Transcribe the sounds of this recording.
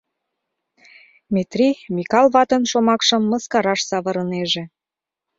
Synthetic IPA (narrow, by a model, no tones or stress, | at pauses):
mʲet̪rimikɑlˠβɑt̪ə̆nʃomɑkʃɤ̆mːɤ̆skɑɾɑʃsɑβɤ̆ɾɤ̆neʒĕ